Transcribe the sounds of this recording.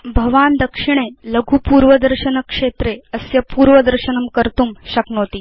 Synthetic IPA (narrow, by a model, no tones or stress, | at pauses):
bʱɐʋaːnd̪əkʂiɳ̃eləɡʱuːpuːɾʋəd̪əɾɕənəkʂet̪ɾeəsjɐpuːɾʋəd̪əɾɕənəmkəɾt̪uːmɕɐknoːt̪iː